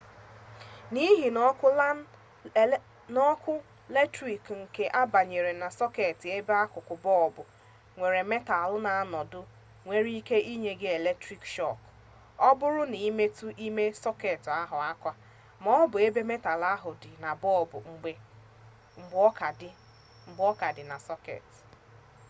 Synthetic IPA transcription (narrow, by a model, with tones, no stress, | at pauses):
ni˦ɦi˨n˦ʊ˦l | nɔ˦kʷʊ˦ | le˦tɾi˨kŋ̩˨ke˨ʔa˦ba˨ɲe˨ɾe˨na˨sɔ˦ke˨tɪ˨e˦be˦a˦kʊ˨kʊ˨bɔ˦˨bʊ˨ | ŋʷe˨ɾe˨me˦ta˨lʊ˦na˨a˦nɔ˨dʊ˦ | ŋʷe˦ɾi˦i˦ke˦ʔi˦ɲe˦ɡɪ˦e˨le˦tɾi˦kʃɔ˦˨k | ɔ˦bʊ˦ɾʊ˦ni˨˦me˦tu˦ʔi˦me˦sɔ˦ke˨ta˦ɦʊ˨a˦kʷa˦ | mɔ˦bʊ˨e˦be˦me˦ta˨la˦ɦʊ˨dɪ˨na˨bɔ˦˨bʊ˨ŋ͡m̩˨ɡ͡be˨ | ŋ͡m̩˨ɡ͡bkdɪ˦ | ŋ͡m̩˨ɡ͡bɔ˦ka˨dɪ˨na˨sɔ˦kḛ˨t